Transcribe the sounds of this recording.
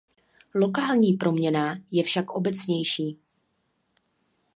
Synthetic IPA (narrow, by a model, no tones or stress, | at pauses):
lo̞kaːlɲiːpɾʔo̞mɲɛnaːjɛfʃakʔo̞bɛt͡sɲɛjʃiː